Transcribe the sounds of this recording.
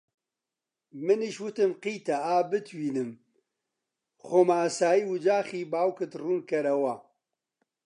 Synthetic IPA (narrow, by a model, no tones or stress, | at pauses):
mɨniʃwɨt̪ɨmqiːt̪aaːbɨt̪ʰwiːnɨm | xoːmaːsaːjiːwɨd͡ʒaːxiːbaːwkɨt̪ruːnkɐɾɐwa